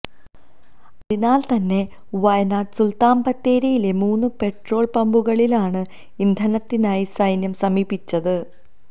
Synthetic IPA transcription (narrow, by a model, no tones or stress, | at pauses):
ɐðinaːlt̪ɐnːe̞ | ʋɐjnaːʈsult̪aːmpɐt̪ːeːɾɐjile̞muːnːɨpe̞ʈro̞ːɭpɐmbuɣɐɭilaːɳɨ | ind̪ʱɐnɐt̪ːinaːjisɐjnjɐmsɐmiːbit͡ɕːɐðɨ